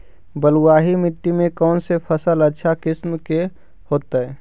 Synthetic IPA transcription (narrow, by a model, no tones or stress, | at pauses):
bəluwaːɦimɪʈːimẽkɔːnsepʰəsələtːʃʰakɪsmke | hoːt̪aɛː